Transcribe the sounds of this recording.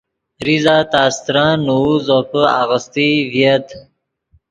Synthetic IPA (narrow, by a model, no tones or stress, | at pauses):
ɾizat̪aːst̪ɾɑ̃nuuzopəa̰ɣəst̪ivjet̪